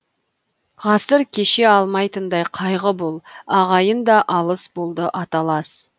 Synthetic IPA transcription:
ʁɑsəɾkʲʰe̞ʃe̞ɑlˠmɑjt̪ənd̪ɑjqʰɑjʁəbolˠɑʁɑjənd̪ɑʔɑlˠəsbo̞lˠd̪əʔɑt̪ɑlˠɑs

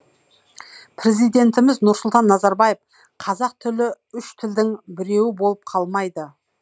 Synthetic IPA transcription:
pʰɾe̞zijd̪e̞nt̪ɪmɪznʊɾsʊlˠt̪ɑnːɑzɑɾbɑje̞f | qʰɑzɑq̚t̪ʰʏlɪ | ʏʃt̪ʰɪld̪ɪŋbɪɾe̞wɪbo̞lˠəp̚qʰɑlˠmɑjd̪ə

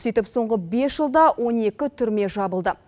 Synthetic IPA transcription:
sijt̪ɪpso̞ɴʁəbe̞sʒəlˠd̪ɑwʔo̞ne̞kʲɪt̪ʰʏɾme̞ʒɑbəlˠd̪ə

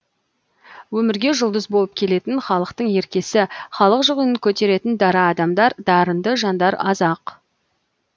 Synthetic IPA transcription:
wɵmɪɾɡʲe̞ʒʊlˠd̪əzbolˠəp̚kʲʰe̞le̞t̪ɪnχɑlˠəqt̪əɴe̞ɾkʲe̞sɪχɑlˠəqʒʊʁijnəŋkʲʰɵt̪e̞ɾe̞t̪ɪnd̪ɑɾɑːd̪ɑmd̪ɑɾd̪ɑɾənd̪əʒɑnd̪ɑɾɑ̰zɑq

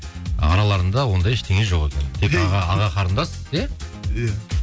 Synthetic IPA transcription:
ɑ̰ɾɑlˠɑɾənd̪ɑwo̞nd̪ɑjɪʃt̪ʰe̞ŋʲeʒo̞qekʲʰent̪ʰekɑʁɑːʁɑqʰɑɾənd̪ɑsəze

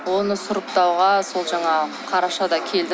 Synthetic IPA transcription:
wo̞nəsʊɾəp̚t̪ɑwʁɑso̞lˠʒɑɴɑ | qʰɑɾɑʃɑd̪ɑkʲʰe̞ld̪ɪ

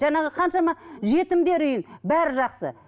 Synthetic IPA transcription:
ʒænɑʁəqʰɑnʃɑmɑʒe̞t̪ɪmd̪e̞ɾʏjɪnbæɾɪʒɑqsə̰

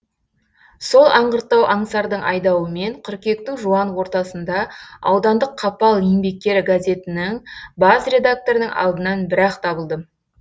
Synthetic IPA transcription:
so̞lˠʔɑɴʁəɾt̪ːɑwʔɑɴsɑɾd̪əɴʔɑjd̪ɑwəme̞ɴqʰʏɾkʲe̞k̚t̪ɪŋʒuɑnwo̞ɾt̪ɑsənd̪ɑɑ̰wd̪ɑnd̪əqʰːɑpɑlˠimbe̞k̚t̪ʲe̞ɾɪɡazʲe̞t̪ɪnɪŋbɑzɾʲe̞d̪ak̚t̪o̞ɾənəŋʔɑ̰lˠd̪ənɑnbɪɾɑqt̪ʰɑbəlˠd̪ə

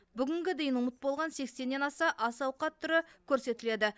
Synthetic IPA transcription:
bʏɡʲɪŋɡʲɪd̪e̞jɪnʊmət̪̚bo̞lˠʁɑnse̞kse̞nːenɑsɑʔɑsɑwqɑt̪ʰːʏɾɪkʲʰɵɾse̞t̪ɪle̞d̪ɪ

